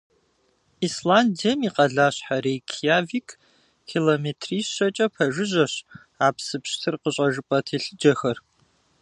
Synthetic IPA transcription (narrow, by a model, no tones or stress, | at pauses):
islaːndijɐmiqɐɮaːɕħaɾeːkʰijaːviːkʰ | kʰiloːmeːtʰriːsɕɐt͡ʃʼɐpʰɐʒɨʑɐɕ | aːpsɨpɕtʰɨrqəɕʼɐʒɨpʼɐtʰeːɬɨd͡ʒɐxɐr